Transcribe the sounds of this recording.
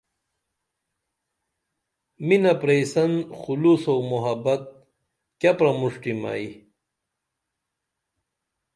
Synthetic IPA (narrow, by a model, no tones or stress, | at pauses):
minɐpɾejsɐnxulusomuɦɐbɐt̪̚ | kɐpɾɐmuʂʈima̰i